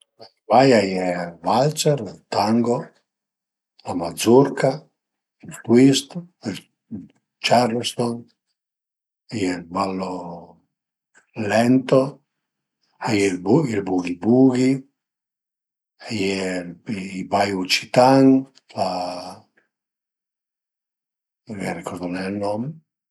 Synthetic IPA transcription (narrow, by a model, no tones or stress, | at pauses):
a | bajajɛvalt͡ʃɛɾat̪aŋɡo | lamad̪zuɾka | ilt̪wist̪l | t͡ʃaɾlst̪ɔn | ajɛlbalːo | lɛnt̪o | ajɛbilbuɡibuɡi | ajɛ | ibajut͡ʃi̥t̪aŋ | la | ɡɛrikɔɾd̪ɔnɛlnɔm